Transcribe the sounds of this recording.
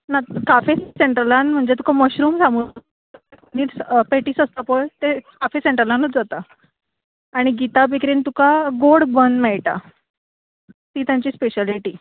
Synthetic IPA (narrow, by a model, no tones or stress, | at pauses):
nakafeseɳʈɾəlãnm̤əɳd͡ʑet̪u̥kaməɕɾuːmsamu | niːɾspeʈiːsəst̪apɔjt̪ekafeseɳʈɾəlãnət͡sd͡zat̪a | ɽ̃iɡit̪abikɾiːnt̪ukaɡoɽbənd̪mɛɭʈa̰ | t̪iːt̪jãɲt͡ɕiːspeɕaliʈiː